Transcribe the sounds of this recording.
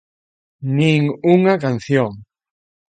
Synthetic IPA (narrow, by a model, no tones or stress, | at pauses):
nĩŋuŋakan̟θjoŋ